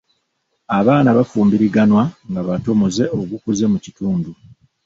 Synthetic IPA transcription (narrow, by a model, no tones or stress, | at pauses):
aβaːnaβafuːmbiɾiɡanwaŋɡaβato̞moze̞o̞ɡukuze̞mucituːndu